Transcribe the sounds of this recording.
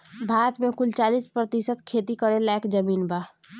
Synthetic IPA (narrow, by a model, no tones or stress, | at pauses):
bʱaːɾət̪mẽkʊlt͡ʃaːliːspɾət̪ɪsət̪kʰeːt̪ikəɾẽlaːkd͡ʒəmiːnbʱaː